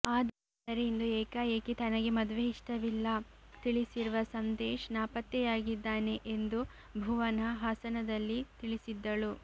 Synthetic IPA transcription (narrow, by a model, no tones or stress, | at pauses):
aːd̪ɐ | d̪ɐɾeind̪ueːkaːjeːkit̪ɐnɐɡe̞mɐd̪ʋeiʂʈɐʋilːɐ | t̪iɭisiɾuʋɐsɐnd̪eːʃnaːpɐt̪jɛjaːɡid̪ːaːne̞ʔend̪u | bʱuːʋɐnɐɦaːsɐnɐd̪ɐlːit̪iɭisid̪ːɐɭu